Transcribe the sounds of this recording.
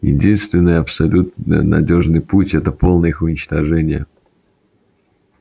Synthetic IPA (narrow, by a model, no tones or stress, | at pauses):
jɪ̰dʲinst̪vʲɪnːəjəɐpsɐlʲut̪nɨ̰jənɐ̰dʲoʐnɨjputʲɛt̪əpo̞lˠnəjəixʊnʲɪt͡ɕt̪ɐʐɛnʲɪjə̰